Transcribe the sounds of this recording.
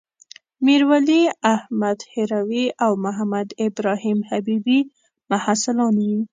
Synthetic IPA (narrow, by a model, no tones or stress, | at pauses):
miɾwaliahmad̪hɪɾawiawmʊɦamad̪ɪbɾɑhimhabibi | mahasɪlɑnwi